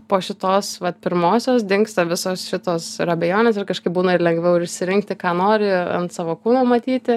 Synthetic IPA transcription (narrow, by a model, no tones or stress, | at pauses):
poːʃʲɪt̪oːsʋɐt̪pʲɪɾmoːsʲoːsd̪ʲɪŋkst̪ɐʋʲɪsoːsʃʲɪt̪oːsɪɾɐbʲeːjoːnʲeːsɪrkɐʃkɐɪp̚buːnɐɪrlʲɛŋɡʋʲɛʊɪɾɪʃʲsʲɪɾʲɪŋk̚t̪ʲɪkɑːnoːɾʲɪɐ̰nt̪sɑːʋoːkuːnoːmɐt̪ʲiːt̪ʲɪ